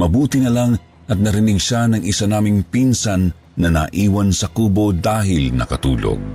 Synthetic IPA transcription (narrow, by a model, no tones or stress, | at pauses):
mɐbuːt̪ɪnɐlaŋ | ʔɐt̪̚nɐɾɪnɪɡʃanɐŋʔɪsanaːmɪŋpinsanː | ɐnɐ̰ʔiːwɐnsɐkuːbo̞d̪aːɦɪlnɐ̰kɐt̪ṵːlo̰ɡ̚